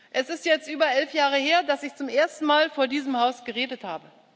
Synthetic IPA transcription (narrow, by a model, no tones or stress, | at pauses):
ʔɛsɪstjɛt͡stʔyːbɐʔɛlfjaːʁ̞əheːɐdasɪçt͡sʊmʔeːɐstn̩maːlfoːɐdiːzəmhaʊsɡ̥əʁeːdətha̰ːbə